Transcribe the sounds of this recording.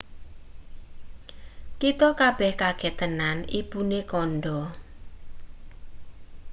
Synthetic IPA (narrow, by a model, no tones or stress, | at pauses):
kit̪ɔkab̥ɛhkaɡ̥ɛ̤t̪ənanḭb̥unekɔnɖɔ